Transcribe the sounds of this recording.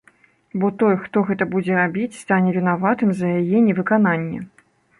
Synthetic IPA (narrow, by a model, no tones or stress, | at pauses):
bɔt̪ɔjxt̪ɔɣɛt̪ɐbud͡zʲɛɾabʲit͡sʲst̪anʲɛvʲinavat̪ɨmzɐjajɛnʲɛvɨkan̪anʲːɛ